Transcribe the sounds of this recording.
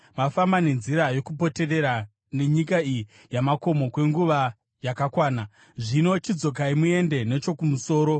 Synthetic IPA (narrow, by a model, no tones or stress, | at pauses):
mafambane̞nziɾajo̞kupo̞te̞re̞ɾa | ne̞ɲikaiji | jamako̞mo̞kwe̞ŋɡuʋa | jakakwaːna | ʐino̞t͡ʃid͡zo̞k̬aimue̞nde̞ne̞t͡ʃo̞kumuso̞ːɾo̞